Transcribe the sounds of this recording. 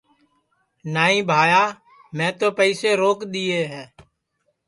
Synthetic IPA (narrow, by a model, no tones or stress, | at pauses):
naːĩːbʱaːjaː | mɛ̃ːt̪oːpəiːseːɾoːkɗ̪iːeːɦɛ̃ː